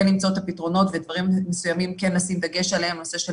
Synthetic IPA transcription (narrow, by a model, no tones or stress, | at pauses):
enːimt͡saot̪hapitʁo̞no̞tved̪vaʁimːesujamimkenːasimd̪ɐɡe̞ʃalehemnoseʃe